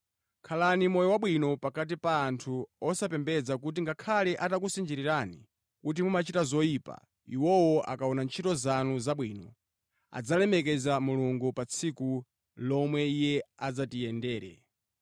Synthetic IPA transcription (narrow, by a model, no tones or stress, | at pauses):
kʰalanimɔjɔwaɓwinɔpakat̬ipaːntʰuɔsapɛmbɛd͡zakut̬iŋɡakʰalɛʔatak̬usind͡ʒiɾiɾani | kut̬imumat͡ʃitazɔiːpa̰ | iwɔwɔʔa̰kaɔnant͡ʃʰitɔzanuzaɓwiːnɔ̰ | a̰d͡zalɛmɛkɛzamuluŋɡupat͡sʰiku | lɔmwɛijɛad͡zatijɛndɛːɾɛ̰